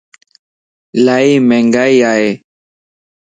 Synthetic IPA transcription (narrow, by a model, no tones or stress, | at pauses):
laimɛ̃ŋɡaiae